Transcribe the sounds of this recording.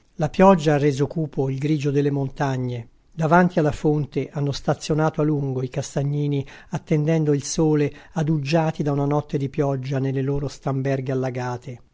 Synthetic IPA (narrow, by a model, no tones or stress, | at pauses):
lapjɔd͡ʒːaarːeːzokuːpʰoilɡɾiːd͡ʒod̪elːemont̪aɲːe | d̪avant̪ialːafont̪eʔanːost̪at̪sːjonaːt̪oalːuŋɡoikast̪aɲːiːniat̪ːend̪ɛnd̪oilsoːlead̪ud͡ʒːaːt̪id̪aunanɔt̪ːed̪ipjɔd͡ʒːanelːeloːɾost̪ambɛrɡealːaɡaːt̪ʰe